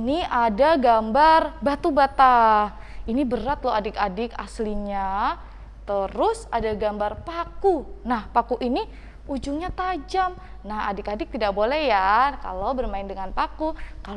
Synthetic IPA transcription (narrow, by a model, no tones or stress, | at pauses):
niadaɡambarbat̪ubat̪a | inibəɾat̪loadɪkadɪka̰sliɲa | t̪əɾʊsadaɡambarpakunahpakuʔini | ud͡ʒuŋɲat̪ad͡ʒam | naha̰dɪkadɪk̚t̪idaʔ̚bolɛhjaka̰lobərmaɪndəŋanpakuka